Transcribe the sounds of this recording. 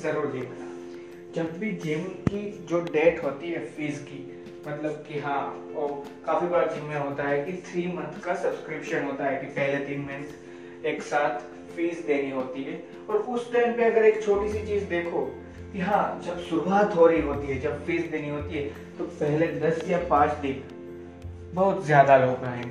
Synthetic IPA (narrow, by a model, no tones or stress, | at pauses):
zɐɾuːɾd͡ʒiːmnaː | d͡ʒɐbːid͡ʒɪmkid͡ʒoːɖeːʈɦoːt̪iɦɛfiːzki | mɐt̪ləbkiɦãːɔːɾ | kaːfibɐɽad͡ʒɪmːẽɦoːt̪aɦɛkit̪ʰɾiːmɐ̃nt̪ʰkasɐbskɾɪpʃənɦoːt̪aɦɛkipɛɦled̪ɪnmɪ̃n | eːksaːt̪ʰ | feːzd̪eːniɦoːt̪iɦɛː | ɔːɾʊsʈɛːnpeɐɡəɾeːkt͡ʃʰoːʈisit͡ʃiːzd̪eːkʰoː | kiɦãːd͡ʒɐbsʊbʱat̪ʰoːɾiɦoːt̪iɦɛd͡ʒɐbfeːzd̪eːniɦoːt̪iɦɛ | t̪opɛɦled̪ɐsjapãːt͡ʃd̪ɪn | bɐɦʊt̪zjaːd̪aloːkaɦɛ̃ː